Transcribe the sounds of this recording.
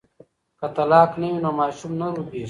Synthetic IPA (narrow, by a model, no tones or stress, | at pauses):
kɐt̪ɐlaːknɐwinomaːʃumnɐɾupiː